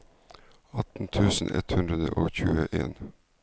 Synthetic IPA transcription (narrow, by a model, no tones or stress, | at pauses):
ɑt̪n̩t̪ʰʉːsn̩ʔɛ̰t̪hʉnd̪ɾəd̪əʔoːçʉːəʔeːn